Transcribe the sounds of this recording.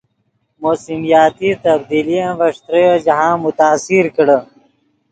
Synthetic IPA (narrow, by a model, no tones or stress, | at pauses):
moːsimijaːt̪it̪ɐb̚d̪iːlijẽʋɐʂt̪ɾəjod͡ʑɐɦãːmut̪aːsiɾkəɽə